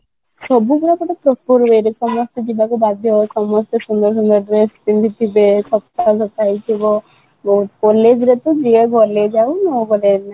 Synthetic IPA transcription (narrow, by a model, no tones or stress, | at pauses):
sɔbukuɾakɔʈɔpɾɔpoɾbejɾesɔmɔst̪ɔd͡ʒibakubad̪ʱjɔɔesɔmɔst̪ɔsund̪ɔɾsund̪ɔɾɖɾespint̪ʰit̪ʰibekʰɔpt̪ad͡ʒɔt̪ajt̪ʰibɔ | bɔɦut̪̚kɔled͡ʒɾet̪ɔd͡ʒieɡɔled͡ʒawnɔɡɔled͡ʒna